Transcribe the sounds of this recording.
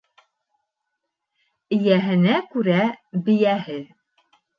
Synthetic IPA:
ɘ̆jæɦɘ̆nækʉɾæbɘ̆jæhɘ

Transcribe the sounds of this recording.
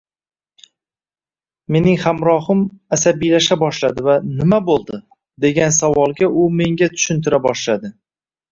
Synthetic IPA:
me̞nɪŋhamɾɒhʊmasabijlaʃabɒʃlad̪ɪvanɪmabolˠd̪ɪ | d̪e̞ɡʲansavɒlˠɡʲaʔʊme̞ŋɡʲat̪ʰʊ̥ʃʊnt̪ʰɪɾabɒʃlad̪ɪ

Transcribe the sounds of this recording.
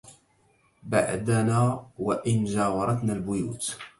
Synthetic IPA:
ba̰ʕd̪anaːwaʔɪnd͡ʒaːwɑɾˤɑt̪nalbʊjṵːt̪

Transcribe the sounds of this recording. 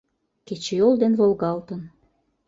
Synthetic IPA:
ket͡ɕejold̪envolɣɑlt̪ən

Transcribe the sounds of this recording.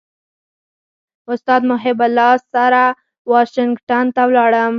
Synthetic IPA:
ʊst̪ɑːd̪mʊɦɪbalːɑssaɾa | wɑʃɪŋɡʈant̪awlɑɽəm

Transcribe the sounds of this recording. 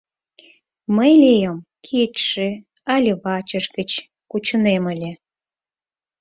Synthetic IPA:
məjlʲejəmkʰit̪ʃĕ | ɑlʲeβɑt͡ɕəʃɣət͡ɕ | kut͡ɕəneməlʲe

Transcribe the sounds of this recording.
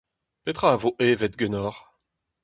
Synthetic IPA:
pet̪χaːvoʔeːvɛt̪̚ɡɛnɔʁ

